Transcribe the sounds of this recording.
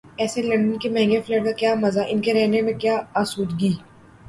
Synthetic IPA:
ɛːselɐ̃ɳɖənkemɛɦɛ̃ŋɡefleːʈkakjaːmɐzaʔɪnkeɾɛɦnemẽkjaːaːsuːd̪ɡiː

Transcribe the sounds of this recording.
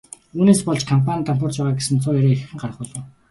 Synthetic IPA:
uːneːspɔɮt͡ɕkʰampʰanit̪ʰampʰɔr̥t͡ɕpæːʁaːɡesɘ̆nt͡sʰʊːjæɾeːx̆xɘ̆ŋɢaɾə̆χpʊːɮʊ̆ːw

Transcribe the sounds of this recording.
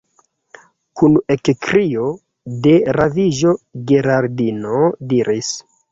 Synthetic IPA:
kunekkɾio̞ | de̞ɾaviʒo̞ɡeɾaɾdinodiɾis

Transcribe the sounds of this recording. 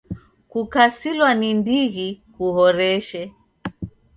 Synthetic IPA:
kukasilwanindiɣikuhɔɾɛʃɛ

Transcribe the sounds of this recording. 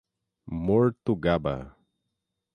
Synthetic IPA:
moɾt̪uɡaba̰

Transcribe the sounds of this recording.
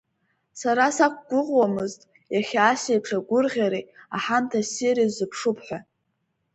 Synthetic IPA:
saɾasak̚ʷʰʼɡ̥ʷʊʁʷwamɨztʼ | jaχʲaːsejpʰʂaɡʷʊrʁʲaɾeaħamtʰasiɾizɨpʰʂupʰħʷa

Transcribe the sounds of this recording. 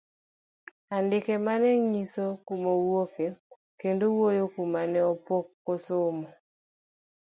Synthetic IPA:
andɪkɛmanɛɲisokomowoke | kendowojokumanɛɔpokːosʊmɔ

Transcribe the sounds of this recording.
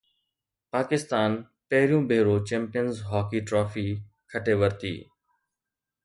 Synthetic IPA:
paːkɪst̪aːn | pɐɦɪɾijũːbʱeːɾoːt͡ɕɛ̃ːmpijənzɦɔːkiːʈɾɔːfiː | kʰəʈeːʋəɾt̪ḭː

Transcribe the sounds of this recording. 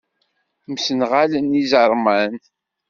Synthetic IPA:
msənʁalənizəɾˤmən

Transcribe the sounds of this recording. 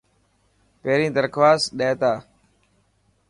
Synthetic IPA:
peːɾĩːd̪əɾkʰʋaːsɗeːt̪aː

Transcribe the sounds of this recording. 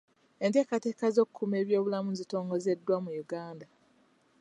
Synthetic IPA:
e̞nte̞ːkate̞ːkazo̞kʰːume̞ːβjo̞ːβulamuzito̞ːŋɡo̞ze̞dːwamujuɡaːnda

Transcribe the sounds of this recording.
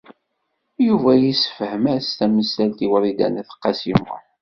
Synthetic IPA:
juvæjisə̥fəhəmæst̪æməsælt̪iwəɾid̪æ̰næθə̥qːɑsimʊ̰

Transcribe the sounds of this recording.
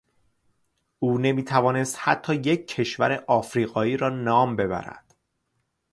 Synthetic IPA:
ʔuːne̞miːt̪ʰævɒːne̞st̪hæt̪ʰːɒːjecʰːe̞ʃvæɾe̞ʔɒːfɾiːɣɒːiːɾɒːnɒːmbe̞βæ̰ɾæ̰d̪̥

